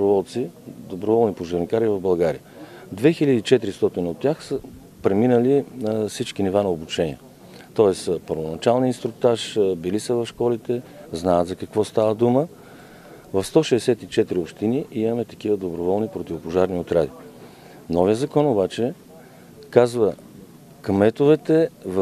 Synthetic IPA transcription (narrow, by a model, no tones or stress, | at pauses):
obɾovɔlˠt̪sid̪obɾovɔlˠnipoʒɐɾnikaɾivɐvbɐlˠɡaɾḭjə | d̪vɛxilʲəd̪iːt͡ʃɛt̪ɾist̪ɔt̪inəot̪ʲːjaxsə | pɾɛminəlinfsit͡ʃkinivanɐobut͡ʃɛnḭɛ | t̪ɔɛspəɾvonɐt͡ʃalˠniinst̪ɾʊk̚t̪aʃbilisəvɐfʃkɔlit̪ɛznaət̪zɐkɐkvɔst̪avəd̪umə | vɐfst̪ɔʃɛːsɛt̪it͡ʃɛt̪ɾiopʃt̪iniʔimɐmɛt̪ɐ̥k̟ivəd̪obɾovɔlˠnipɾot̪ʲivopoʒaɾniot̪ɾad̪i | nɔvijəzɐkɔnobat͡ʃɛ | kazvə | kmɛt̪ovɛt̪ɛv